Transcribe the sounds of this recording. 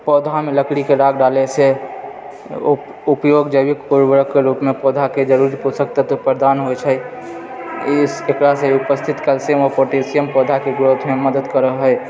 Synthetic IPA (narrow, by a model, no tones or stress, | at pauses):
pɔːd̪ʱamẽləkɽikeɾaːɡɖaːlese | ʊpjoːɡd͡ʒəbikpuɾwəɾəkːeɾuːpmẽpɔːd̪ʱaked͡ʒəɾuɾiposək̚t̪at̪opɾəɾəd̪aːnɦojt͡ʃʰɛ | ɪsekɾaseʊpəst̪ʰɪt̪kəlsemɔpoːʈesijəmpɔːd̪ʱakeɡɾot̪ʰmẽməd̪əd̪kəɾəɦɦəɛ